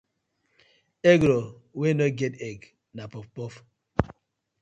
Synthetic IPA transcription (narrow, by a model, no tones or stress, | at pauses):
eɡɾowenɔɡeteɡ | napɔfpɔf